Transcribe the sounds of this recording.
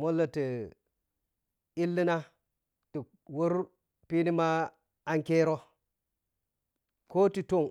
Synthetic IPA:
mo˦lːə˨ti˨ | i˦lːi˦na˦ | ti˨ | wu˦ɾ | pi˦ni˦ma˦ | a˦ŋke˦ɾo˦ | ko˦ti˨to˦˨ŋ

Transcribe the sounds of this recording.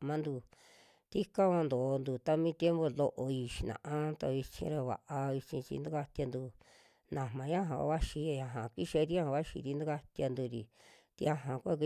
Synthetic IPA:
mã˦nd̪u˧ | t̪i˦ka˦βã˧nd̪o˨˧nd̪u˧t̪a˦mĩ˦t̪je˦mbo˧lo˧ʔo˧i˧ʃi˧nã̰˨ʔã˦t̪a˧i˧t͡ʃḭ̃˧ɾa˧βa̰˨ʔa˧i˧t͡ʃĩ˧t͡ʃḭ˧nd̪u˦ka˧t̪ja˧nd̪u˧ | nã˨mã˨ɲã˦ɦã̰˨˧βa˦ʃi˧e˧jã˧ɦã˨ki˦ʃe˧˦˧t̪i˦ã˦hã˧βa˦ʃḭ˧t̪i˦nd̪u˦ka˦t̪ja˧nd̪u˧ɾi˨ | t̪i˧a˧ɦã˨kʷa˦k̬i˧

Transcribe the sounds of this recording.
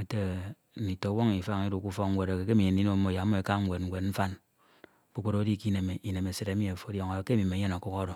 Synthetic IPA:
e˨te˦ | n̩˨i˨to˨wo˦ŋi˨fa˦ŋi˦ɾu˨ku˦fɔ˦kŋ̩˦we˨ɾe˨ke˨k̬e˦mi˨ɲe˨n˨i˦no˦mːo˨ja˨˦mː˦o˨e˨ka˦ŋ̩ʷ˦˨e˨tŋ̩˨ɡʷe˨tn̩˦fa˦n | k͡pu˦k͡po˦ɾo˦di˦˨ki˦ne˨me˨ʔi˨ne˨me˨se˨ɾe˨˦i˦e˨fo˦djo˨ŋa˨ke˦mi˨me˨˦ɲe˦na˨ku˦ko˦ɾo˨

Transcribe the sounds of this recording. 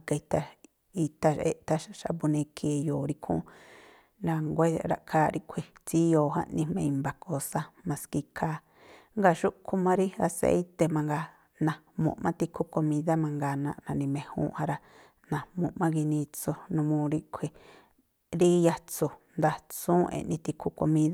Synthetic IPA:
ka˧i˧t̪a˧ | i˧t̪a˧ʃḛ˧˨ʔt̪a˧ʃa˧ʃa̰˧pu˧nẽ˧kʰi˨joː˨ɾi˦kʰṵ̃˦ | ɾa˧ŋɡʷe˦ɾa̰˧ʔkʰaː˦ɾi˦kʰʷi˧t͡si˦joː˨hã̰˦nĩ˧mẽ˧i˧mba˧ko˧sa˦mã˧ski˧kʰaː˧˦ | ŋɡa˧ʃu˦kʰu˧mã˧ɾi˦a˧sḛ˧˦i˦t̪e˧mã˧ŋɡa˧ | nã˨mṵ̃˨ʔmã̰˦t̪i˧kʰu˦ko˧mĩ˧ða˦mã˧ŋɡa˧nã̰˧ʔnã˨˧nĩ˧mẽ˧hṵ̃ː˦ʔhã˦ɾa˧ | nã˨mũ˨ʔmã˦ki˧nĩ˧t͡so˧nũ˧mũː˧ɾi˦kʷʰi˧ | ɾi˦ja˧t͡su˧˨nd̪a˧t͡sũː˦ḛ̃˧˨ʔnĩ˧t̪i˧kʰu˧ko˧mĩ˦ða˦

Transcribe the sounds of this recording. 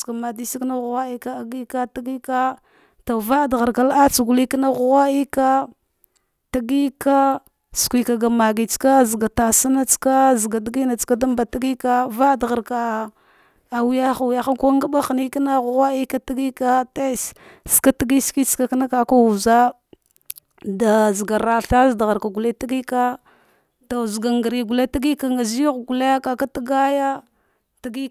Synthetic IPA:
ka˨ma˨di˦si˦kna˦ɣwa˦i˦ka˦a˨ɡi˦ka˦ta˦ɡi˦ka˦ | ta˨va˦˨dɣa˨ɾka˨la˦t͡su˨ɡu˨li˦ki˦na˦ɣɣa˦i˦ka˦ | ta˨ɡi˦ka˦ | skʷi˨ka˨ɡa˨ma˨ɡi˨t͡ska˦zɡa˨ta˨sa˦na˦t͡ska˦zɡa˨di˦ɡi˦na˨t͡ska˦da˦mba˨ta˦ɡi˦ka˦va˦˨dɣa˨ɾka˨ | a˨wja˦xa˨wu˨ja˦xa˦ka˦ŋɡa˦ba˦xni˦ki˦na˦ɣɣa˦i˦ka˦ti˦ɡi˦ka˦te˦sska˦ti˦ɡi˦ski˦t͡ska˦ka˦na˦ka˨ka˦wu˨za˦ | da˨zɡa˨ɾa˨ɬa˦zda˨ɣa˨ɾka˨ɡu˨la˦ta˦ɡi˦ka˦ | ta˨zɡa˨ŋɡa˨ɾi˨ɡu˨la˦ti˦ɡi˦ka˨ŋɡa˨zɣɡu˨la˦ja˦ka˨ka˦ta˦ɡa˦ja˦ | ta˦ɡi˦

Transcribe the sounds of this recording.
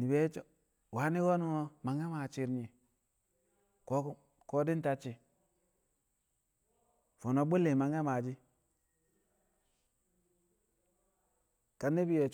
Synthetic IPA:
ni˨be˦t͡ʃo˨ | wa˨˦ni˦wo˦nu˦o˦ma˨ŋe˦ma˨t͡ʃi˨ɾɲi˨ | ko˦ | ko˦di˦n˦ta˨t͡ʃi˨ | fo˨no˨bu˦lːe˨ma˨ŋe˦ma˨d͡ʒi˦ | ka˨nːi˦bi˦je˨t͡ʃ

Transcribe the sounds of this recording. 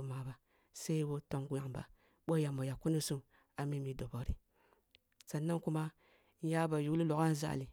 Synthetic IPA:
u˦ma˨ba˨ | se˦i˦wo˦to˨ŋɡu˨ŋba̰˨ | ɓo˦ja˨mo˨ja˨ku˦ni˦su˦m | a˨mi˦mi˨do˨bo˨ɾḭ˨ | sa˨nːa˦ŋku˦ma˦ | ja˦ba˨ju˨˦li˦lo˨ɡa˦n˦za̰˦˨li˨

